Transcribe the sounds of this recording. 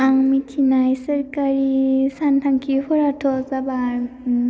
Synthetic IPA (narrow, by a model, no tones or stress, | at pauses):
aŋmitʰinajsəɾkaɹisantʰaŋkʰihɔɾatʰɔzaba